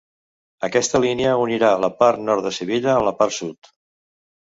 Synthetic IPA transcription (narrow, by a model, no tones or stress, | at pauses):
əkɛst̪əlineəuniɾaləpaɾt̪nɔɾt̪ðəsəβiʎəːmləpaɾsut̪